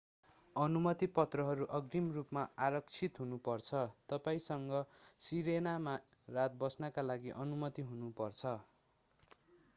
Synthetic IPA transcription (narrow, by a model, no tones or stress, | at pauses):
ʌnumʌt̪ipʌt̪rʌɦʌɾuʔʌɡrimrupmaaɾʌkt͡sʰit̪ɦunupʌrt͡sʰʌt̪ʌpaĩsʌŋɡʌsiɾenama | rat̪̚bʌsnʌkalaɡiʔʌnumʌt̪iɦunupʌrt͡sʰʌ